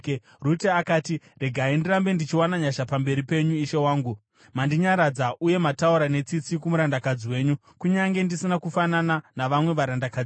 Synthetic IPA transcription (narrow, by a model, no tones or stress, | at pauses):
ruteakaːti | re̞ɡʱaindiɾambe̞ndit͡ʃiwanaɲaʃapambe̞ɾipe̞ɲuiʃe̞waːŋɡu | mandiɲaɾad͡zaʔuje̞matauɾane̞t͡sit͡sikumuɾandakad͡ziwe̞ːɲu | kuɲaŋɡe̞ndisinakufanananaʋamwe̞ʋaɾandakad͡z